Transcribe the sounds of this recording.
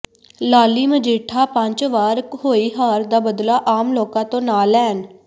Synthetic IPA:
laːliːməd͡ʒeːʈʰaːpəɲt͡ʃʋaːɾkhoːiːɦaːɾd̪aːbəd̪laːʔaːmloːkãːt̪õːnaːlɛːn

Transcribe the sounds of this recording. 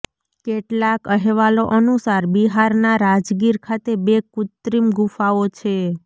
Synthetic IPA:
keʈlakəɦɛʋaloʔənusaɾbiɦaɾnaɾad͡ʒɡiɾkʰat̪ebekut̪ɾimɡufaot͡ʃʰe

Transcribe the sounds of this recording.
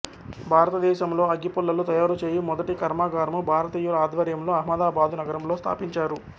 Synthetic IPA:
bʱaːɾɐt̪ɐd̪ɛːʃɐmlo̞ːɐɡipulːɐlut̪ɐjaːɾut͡ʃe̞ːjimɔd̪ɐʈikɐɾmaːɡaːɾɐmubʱaːɾɐt̪iːjulɐaːd̪ʋɐɾjɐmlo̞ːɐɦmɐd̪aːbaːd̪unɐɡɐɾɐmlo̞ːst̪ʰa̰ːpiɲt͡ʃaːɾu

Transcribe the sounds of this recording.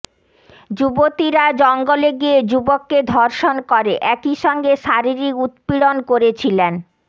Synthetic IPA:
d͡ʑubot̪iɾad͡ʑɔŋɡoleɡied͡ʑubokːed̪ʱɔɾʃonkoɾeʔɛkiʃɔŋɡeʃaɾiɾikut̪piɽonkoɾet͡ɕʰilen

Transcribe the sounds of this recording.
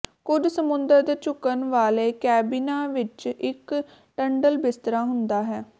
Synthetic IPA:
kʊd͡ʒsəmʊnd̪əɾd̪eːt͡ʃʊkənʋaːleːkɛːbiːnaːʋɪt͡ʃɪk | ʈəɳɖəlbɪst̪ɾaːɦʊnd̪aːɦɛː

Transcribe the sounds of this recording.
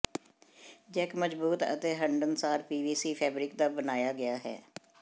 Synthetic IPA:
d͡ʒɛːkməd͡ʒbuːt̪ə̰t̪eːɦəɳɖənsaːɾpiːʋiːsiːpʰɛːbɾɪkd̪aːbənaːjaːɡɪaːɦɛ̰ː

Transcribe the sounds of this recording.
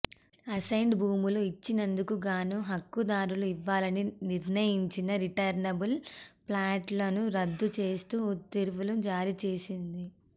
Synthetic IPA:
ɐsɐjɳɖbuːmuluit͡ʃːinɐnd̪ukuɡaːnuɦɐkːud̪aːɾuluiʋːaːlɐniniɾnɐjiɲt͡ʃinɐɾiʈɐɾnɐbulplaːʈloːnuɾɐd̪ːut͡ʃe̞ːst̪uːt̪ːiɾuʋulud͡ʒaːɾit͡ʃe̞ːsind̪i

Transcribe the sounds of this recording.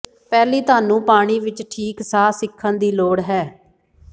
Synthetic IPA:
pɛːliːt̪aːnũːpaːɽ̃iːʋɪt͡ʃʈʰiːksaːsɪkʰːənd̪iːloːɽɦɛː

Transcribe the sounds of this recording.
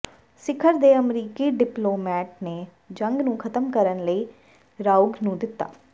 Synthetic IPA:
sɪkʰːəɾd̪eːəmɾiːkiːɖɪploːmɛːʈ̚neː | d͡ʒəŋɡnũːkʰət̪əmkəɾənləiː | ɾaːʊɡnũːd̪ɪt̪ːa̰ː

